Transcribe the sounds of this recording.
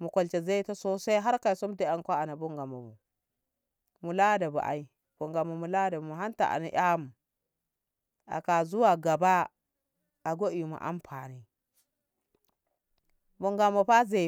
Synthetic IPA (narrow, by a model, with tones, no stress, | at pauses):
mu˨ko˨lt͡ʃe˨za˦i˦ta˦so˦sa˦ɦa˦ɾka˨i˨so˦mde˦a˨ŋkʷa˦a˨na˨bu˦ŋɡa˨mːa̰˨mṵ˨ | mu˨la˦da˨bṵ˨ʔa̰˨i˦ | b̥o˨ŋɡa˨ma˨mu˨la˦da˨bmu˨ɦa˦nta̰˨ʔa̰˨na˦ʔa˦mu˨ | a̰˨ka˨zu˦wa˨ɡa˨ba˦ | a˨ɡo˦i˨ma̰˨ʔa̰˦mpʰa̰˨ni˨ | bu˨ŋɡa˨mːa˨pa˦ze˨